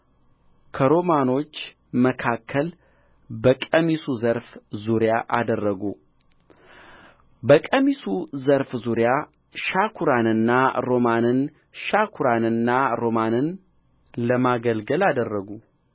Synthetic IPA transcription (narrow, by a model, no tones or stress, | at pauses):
kʰəɾo̞mano̞t͡ʃː | məkʰakʰːəl | bəkʼəmisuzəɾfzuɾjaʔad̪ərːəɡu | bəkʼəmisuzəɾfzuɾja | ʃakʰuɾanɨnːaɾo̞manɨn | ʃakʰuɾanɨnːaɾo̞manɨn | ləmaɡəlɡəlad̪ərːəɡu